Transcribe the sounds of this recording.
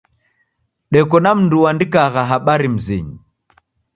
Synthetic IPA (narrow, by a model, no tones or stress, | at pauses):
ɗɛkɔnam̩nduwandikaɣaɦaɓaɾim̩zḭɲi